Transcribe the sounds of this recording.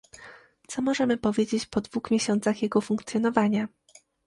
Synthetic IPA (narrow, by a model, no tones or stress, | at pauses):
t̪sɔmɔʐɛmɘpɔvʲjed͡ʑet͡ɕpɔd̪vuxmʲjeɕɔnt̪saxjɛɡɔfuŋkt̪sʲjɔnɔvaɲa